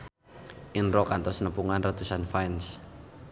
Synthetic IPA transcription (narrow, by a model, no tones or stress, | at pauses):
ʔinrɔkant̪ɔsnəpuŋanrat̪usanfajns